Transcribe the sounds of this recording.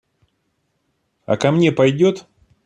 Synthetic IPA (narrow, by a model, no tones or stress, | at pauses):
ɐ̰kɐmnʲe̞pɐjdʲot̪